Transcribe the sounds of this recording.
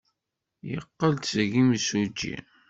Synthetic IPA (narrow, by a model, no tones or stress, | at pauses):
jə̰qːəlt̪səʝiməsud͡ʒːḭ